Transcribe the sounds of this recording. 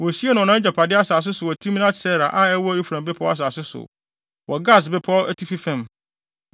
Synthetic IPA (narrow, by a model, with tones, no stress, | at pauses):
wɔ˨si˦e˦nʊ̃˨ɔ˨nã˦d͡ʑa˨pʰa˨dɪ˦a˦saː˨s̬ɪ˦sʊ˨wɔ˨tʰi˦m˦nã˦tsɛ˦ɾa˨ʔa˦ɛ˦wɔ˦i˦fɾã˨mbɪ˦pʰɔ˦a˦s̬aː˨sɪ˦sʊ̰˨ | wʔɔ˨ɡa˦˨s̬bɪ˦pʰɔ˦æ˦tʰi˦fi˦fɛ̃˦˨m